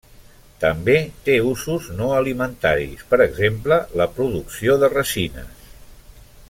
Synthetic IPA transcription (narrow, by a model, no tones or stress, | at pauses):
t̪əmbet̪euzuznoəlimənt̪aɾḭspəɾəɡzemplələpɾuðuksioðərəsinə̰s